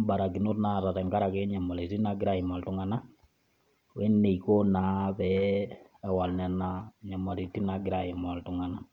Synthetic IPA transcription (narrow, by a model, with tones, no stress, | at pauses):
ba˨ɾa˨ɡi˨no˦tna˦˨ta˨tɛ˨ŋɡa˦ɾa˨kɛ˦ɲa˨ma˨le˨ti˦na˨ɡɪ˦ɾa˨ɪ˨ma˨ltʊ˦ŋa˨na˦ | we˦nːe˨i˨ko˦na˨˦βɛ˦ | ɛ˨wa˨lnɛ˨na˦ɲa˨ma˨ɾi˨ti˦na˦ɡɪ˦ɾa˨ɪ˨ma˨ltʊ˨ŋa˨na˦